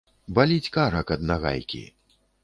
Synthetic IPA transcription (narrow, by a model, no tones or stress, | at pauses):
balʲit͡sʲkaɾɐkɐd̪̚naɣa̰jkʲḭ